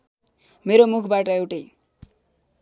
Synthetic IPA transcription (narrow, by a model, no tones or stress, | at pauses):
meɾomukʰbaʈʌewʈʌj